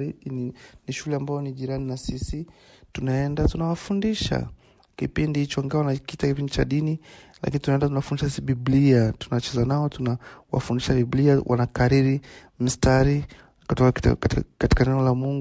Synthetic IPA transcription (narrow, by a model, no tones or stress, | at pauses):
ininiʃulɛambaɔniʄiɾaninasisi | tunaɛndatunawafundiʃa̰ | kipindihit͡ʃɔŋɡawanakitakipindit͡ʃa̰ɗini | la̰kinitunaɛndatunawafundiʃasisiɓibliatunat͡ʃɛzanaɔtunawa̰fundiʃabibliawʔa̰nakaɾiɾi | mistaɾi | kutɔka̰kati̥kanɛɔlamuŋɡ